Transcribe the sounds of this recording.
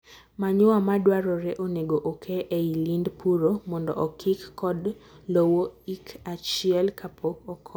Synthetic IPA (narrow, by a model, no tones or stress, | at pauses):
maɲʊwamadwaɾɔɾɛʔoneɡoʔokʰeʔeilindpʰuɾomɔndɔ̰ʔɔkʰikːɔd | lowoikat͡ʃiɛlkʰapʰokɔkʰ